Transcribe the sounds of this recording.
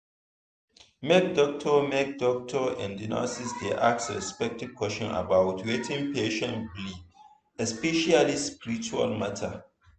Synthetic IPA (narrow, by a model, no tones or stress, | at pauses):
mɛk̚dɔk̚tʰɔmɛk̚dɔk̚tʰɔɛ̰̃ndina̰sisdeʔaksɹɛspɛk̚tiv̥kʰwɛʃɔ̃na̰bawtʰwetʰĩnpeʃɛ̃nbli | ɛspɛʃalispiɾit͡ʃua̰lmatʰa